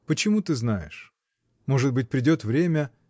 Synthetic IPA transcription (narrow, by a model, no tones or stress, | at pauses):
pət͡ɕɪmut̪ɨznajɪ̰ʂ | mo̞ʐɨt̪̚bɨt̚ʲpɾʲɪdʲo̞t̪vɾʲemʲə